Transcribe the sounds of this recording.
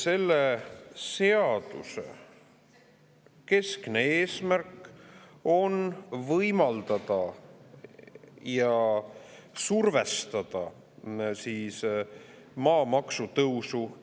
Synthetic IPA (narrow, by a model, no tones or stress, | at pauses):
se̞lːese̞ɑd̪̥ṵsḛ | ke̞skneeːsmærkːˑ | o̞nvɤjmɑld̪̥ɑd̪̥ɑ | jɑ | surve̞st̪ɑd̪̥ɑ | siːs | mɑːmɑksut̪ɤwsu